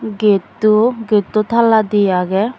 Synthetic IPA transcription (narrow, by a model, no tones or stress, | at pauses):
ɡet̪uɡet̪ut̪ʰalad̪ijaɡɛ